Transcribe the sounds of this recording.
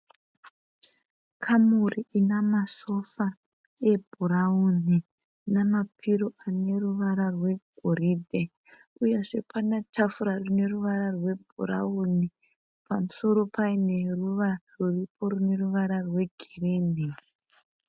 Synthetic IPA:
kʰamuriʔinamaso̞fa | e̞bʱuɾauni | namapʰiɾoʔane̞ruʋaɾarwe̞ɡʱoɾiːdʱe | ujeʐe̞panatafuɾarune̞ruʋaɾarwe̞bʱura̰uni | pamuso̞ɾo̞paine̞ruʋa | ruripʰo̞rune̞ruʋaɾarwe̞ɡʱereːni

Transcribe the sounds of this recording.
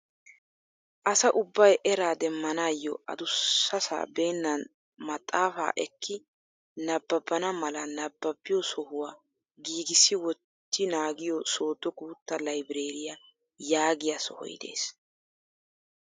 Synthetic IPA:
ʔɐsɐʔʊbːɐjʔɛɾaːd̪ɛmːɐnaːjːɔʔɐ̰d̪ʊːɐsa̰ːbe̞ːnːɐn | mɐt̪ʼːaːfa̰ːʔɛkʰːɪ | nɐbːɐbːɐnɐmɐlɐnɐbːɐbːɪjɔsɔhʊwaː | ɡiːɡɪsːɪwɔt̪ːɪnaːɡɪjɔso̞ːd̪ːɔɡuːt̪ːɐlɐjbɪɾeːɾɪjɐ | jaːɡɪjɐsɔ̰hɔ̰j̰d̪e̞̰ːs

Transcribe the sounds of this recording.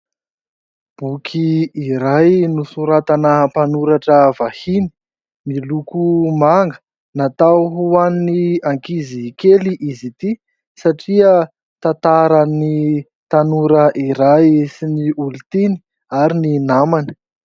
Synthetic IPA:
b̥ukʰiːɾajnusuɾat̪anəpanuɾaʈ͡ʂəvahini̥ | milukumaŋɡə̥ | nat̪awɦuanniaŋkizikeliʔizit̪i | saʈ͡ʂiə | t̪at̪aɾani | t̪anuɾəʔiɾajsiniʔult̪ini̥ | aɾininamanə̥

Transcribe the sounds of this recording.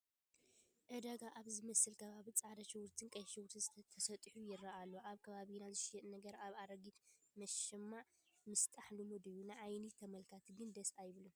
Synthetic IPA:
ʔɨd̪aɡaʔaβzɨmɐsɨlkʰɐβaβit͡sʼaʕd̪ɐt͡ʃɪwuɾt̪ʰɨnkʼɐjʃɨwuɾt̪ʰɨnzt̪ʰɐsɐt̪ʼħujɪɾːɐʔalːoʔaβkʰɐβaβinazɨʃjɛt̪nɐɡɐɾaβaɾɐɡit̪mɐʃɪmːaʕ | mɨst̪ʼaħlumod̪ɨjːunɨʕajnit̪ʰɐmɐlkʰat̪ʰɡɨnd̪ɐsajɪβlum

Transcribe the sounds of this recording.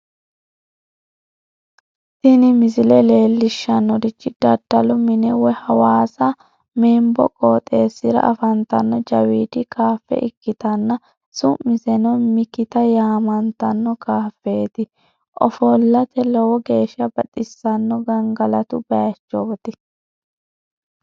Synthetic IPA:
sɪnɪmɪzɪlɛle̞ːlːɪʃːɐnːɔd̪ɪt͡ʃːɪd̪̥ɐd̪̥ːɐlʊmɪnɛwɔhɐwaːsɐ | meːmbɔ̰kʼoːt̪ʼeːsːɪɾɐ̰ʔɐfɐnt̪ɐnːɔd͡ʒɐwiːd̪ɪkʰaːfːɛ̰ʔɪkːɪt̪ɐnːɐ | sʊmːɪzɛnɔmɪkɪt̪ɐjaːmɐnt̪ɐnːɔkaːfːeːt̪ɪ | ʔɔfɔlːɐt̪ɛlɔwɔɡe̞ːʃːɐbɐɗʼɪsːɐnːɔɡɐŋɡɐlɐt̪ʊbɐjɐt͡ʃːɔbɔt̪ɪ

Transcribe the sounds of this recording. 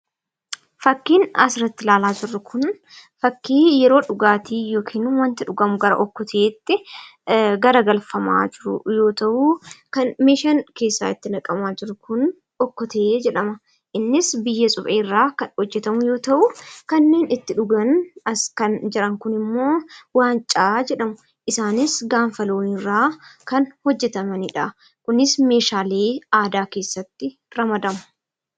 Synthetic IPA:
fɐkːiːnɐsrɐt̪ːɪlaːlaːd͡ʒɪrːʊkʰʊn | fɐkːiːjɛɾo̞ːᶑʊɡaːt̪iːjoːkʰiːnʊwɐnt̪ɪᶑʊɡɐmʊɡɐɾɐ̰ʔɔkːɔt̪ʰɐʔeːt̪ːɪ | ɡɐɾɐɡɐlfɐma̰ːd͡ʒɪɾʊ̰jo̞ːt̪ɐʔukɐnmeːʃɐnke̞ːsːa̰ːɪt̪ːɪnɐkʼɐmaːd͡ʒɪɾʊkʊn | ɔkːɔt̪ɐʔeːd͡ʒɛᶑɐmɐ | ʔɪnːɪsbɪjːɐsʼʊfeːrːaːkɐhɔd͡ʒːɛt̪ɐmʊjo̞ːt̪ɐʔʊkɐnːe̞ːnɪt̪ːɪᶑʊɡɐnɐskɐnd͡ʒɪɾɐŋkʊnɪmːo̞ːwaːnt͡ʃʼaːd͡ʒɛᶑɐmʊ | ʔɪsaːnɪsɡaːɱfɐloːnɪrːaːkɐnhɔd͡ʒːɛt̪ɐmɐniᶑa | kʊnɪsme̞ːʃaːleːaːd̪aːke̞ːsːɐt̪ːɪ | ɾɐmɐd̪ɐmʊ̥

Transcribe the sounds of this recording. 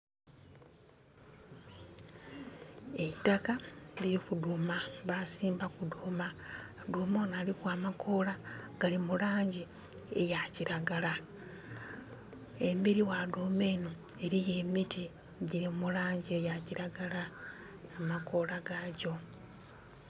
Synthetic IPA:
e̞jitakaliɾikuduːmaβasiːmbakudumaduːmonalikwaːmakʰo̞laɡ̥alimulaːɲɟi | e̞jaciɾaɡala | e̞miɾiwadumeːnoe̞ɾije̞miti | ɟiɾimulaːɲɟie̞jaciɾaɡalaː | mako̞laɡaɟo̞

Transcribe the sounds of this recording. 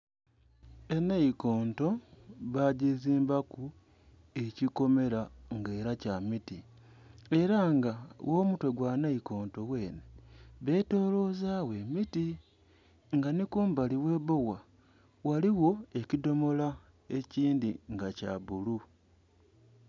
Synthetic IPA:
e̞naiko̞ːnto̞βaɟiziːmbaku | e̞ciko̞me̞ɾaŋɡe̞ːɾacamiti | e̞ɾaŋɡawʔo̞ːmutwe̞ɡwanaiko̞ːnto̞we̞ːneβe̞ːto̞ːlo̞zaːwe̞miti | ŋɡanikuːmbaliwe̞ːβo̞wa | waliwo̞e̞cido̞mo̞la | e̞ciːndiŋɡaca̰βulu

